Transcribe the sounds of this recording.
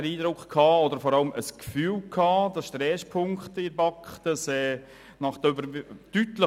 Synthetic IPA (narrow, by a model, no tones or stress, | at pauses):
ɾiːdɾʊkχkʰɑːɔd̪əɾfɔɾɑləməskfyːlkʰɑːd̪ɑʃtɾɛːspʰʊŋkt̪ɪɾbɑkχtəsɛː | nɑχd̥̪øbəɾtyt̪lə